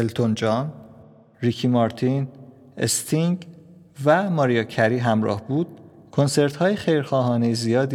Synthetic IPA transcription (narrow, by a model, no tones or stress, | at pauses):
elt̪ʰo̞nd͡ʒɒn | ɾicʰimɒɾt̪ʰin | ḛst̪ʰiŋɡ | væmɒːɾijɒcʰæɾiːɦæmɾɒ̰ːhbuːd̪̥̚ | kʰo̞nse̞ɾt̪hɒːjexejɾxɒːɦɒːne̞jezijɒːd̪i